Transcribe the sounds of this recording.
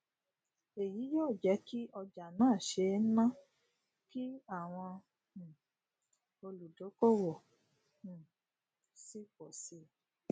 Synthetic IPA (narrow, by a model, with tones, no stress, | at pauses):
e˨ji˨˦jɔ˦˨d͡ʒɛ˨˦ki˦ʔɔ˧d͡ʒa˨nãː˦˨ʃe˧˦nã˦ | ki˦a˦˨w̃ɔ̃˧˨ | o˧lu˨do˨˦ko˦wo˨ | si˦kɔ˨si˨˦